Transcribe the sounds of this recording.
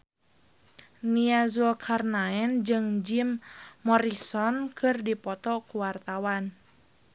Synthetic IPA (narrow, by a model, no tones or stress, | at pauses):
niazukʰarnaɛnd͡ʒɨŋd͡ʒimːɔɾisɔnkɨrdipɔt̪ɔkuwart̪awan